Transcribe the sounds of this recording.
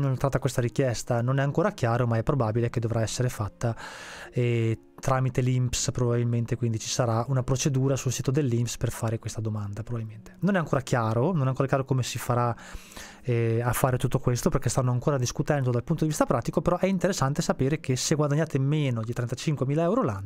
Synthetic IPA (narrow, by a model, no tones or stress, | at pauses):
nont̪ɾat̪ːakwest̪aɾikjɛst̪anonɛaŋkoːɾakjaːɾomaɛpɾobabileked̪ovɾaɛsːeɾefat̪ːa | ɛ | t̪ɾaːmit̪elimpspɾobabilment̪ekwind̪it͡ʃi̥saɾaunapɾot͡ʃed̪uːɾasulsiːt̪od̪elːimpsperfaːɾekwest̪ad̪omand̪apɾobabilment̪e̥nonɛaŋkoːɾakjaːɾononɛaŋkoːɾakjaɾokomesifaɾa | ɛafːaːɾet̪ut̪ːokwest̪operkest̪anːoaŋkoːɾad̪iskut̪ɛnd̪od̪alpunt̪od̪ivist̪apɾaːt̪ikopeɾɔʔɛint̪eɾesːant̪esapeːɾekʰeseɡwad̪aɲːaːt̪emeːnoʎit̪ɾɛnt̪at͡ʃiŋkwemiːlaɛwɾolanːo